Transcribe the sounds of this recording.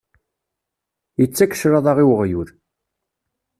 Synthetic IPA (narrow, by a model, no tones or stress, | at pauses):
jət͡sːækə̥ʃɾɑðˤɑʁiwəʁjuɾ